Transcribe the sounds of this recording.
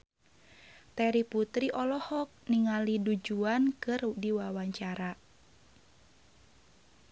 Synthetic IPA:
t̪ɛɾiput̪ɾiʔɔlɔhɔk̚niŋalidud͡ʒuankɨrdiwawaɲt͡ʃaɾa

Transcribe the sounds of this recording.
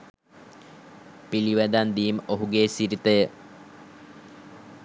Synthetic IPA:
piliʋæd̪and̪iːmoɦuɡeːsiɾit̪əjə

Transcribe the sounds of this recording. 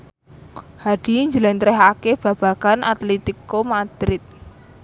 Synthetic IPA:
had̥i̤ɲd͡ʒəlɛnt̪ɾɛɦakeb̥a̤b̥ä̤kanʔa̰t̪lit̪ikomad̪̥ɾɪt̪̚

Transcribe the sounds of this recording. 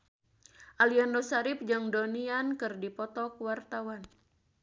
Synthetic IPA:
ʔaliandosaɾɪp̚d͡ʒɨŋdoniankɨrdipɔt̪ɔkwart̪awan

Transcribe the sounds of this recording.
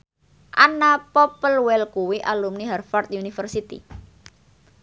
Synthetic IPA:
ʔanapɔpəlwɛlkuwiʔalumniɦɛrfart̪̚junifərsit̪ḭ

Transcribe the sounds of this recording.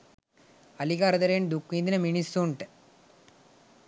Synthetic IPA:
ɐlikaːɾɐd̪ɐɾeːɳd̪ukːind̪inɐminisːoːɳʈe

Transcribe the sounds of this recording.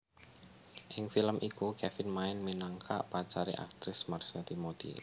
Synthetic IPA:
ʔɪŋfiləmʔikukɛfɪnmaɪnminaŋkʰa̰ʔpat͡ʃaɾḭʔa̰k̚t̪ɾɪsmarsɛt̪imot̪ḭ

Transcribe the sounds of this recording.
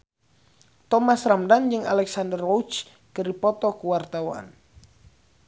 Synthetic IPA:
t̪ɔmasramdand͡ʒɨŋalɛksandərːɔwt͡ʃ | kəɾipɔt̪ɔkuwart̪awa̰n

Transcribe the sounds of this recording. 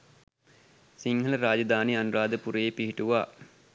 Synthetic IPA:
siŋɦələɾaːd͡ʒəd̪aːnianuɾaːd̪əpuɾəjepiɦiʈuʋaː

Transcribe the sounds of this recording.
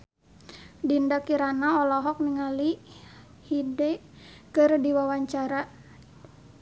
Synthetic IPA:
dindakiɾanaɔlɔɦɔk̚niŋali | hidɛ | kɨrdiwawaɲt͡ʃaɾa

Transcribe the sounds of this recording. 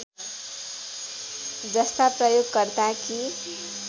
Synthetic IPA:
d͡zʌst̪aprʌjoɡːʌrd̪aki

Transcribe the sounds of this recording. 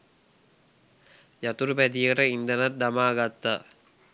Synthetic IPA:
jat̪uɾupæd̪ijəʈəind̪ɐnɐt̪̚d̪ɐmaːɡat̪ːa

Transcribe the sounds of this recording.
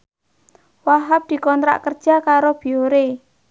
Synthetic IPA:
waɦap̚d̪̥i̤kɔnt̪ɾa̰ʔkərd̥ʒ̥a̤kaɾob̥i̤oɾe

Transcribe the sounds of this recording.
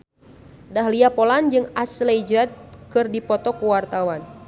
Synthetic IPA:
daɦliapɔland͡ʒɨŋaslɛjd͡ʒat̪̚kɨrdipɔt̪ɔkuwart̪awan

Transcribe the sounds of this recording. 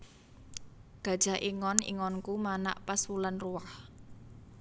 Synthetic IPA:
ɡ̥a̤d̥ʒ̥a̤ʔiŋɔnḭŋɔnkumana̰ʔpasulanruwah

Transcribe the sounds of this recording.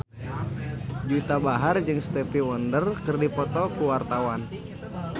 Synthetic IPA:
d͡ʒut̪abaɦard͡ʒɨŋst̪ɛfiwɔndərkɨrdipɔt̪ɔkuwart̪awan

